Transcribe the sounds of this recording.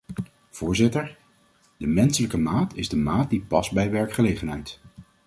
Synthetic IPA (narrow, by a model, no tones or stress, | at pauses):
v̥ʊːɹzɪtəɹ | dəmɛnsələkəmaːtʰɪzdəmaːt̚dipɑsbɛjʋɛɹkχəlejχənɦɛjt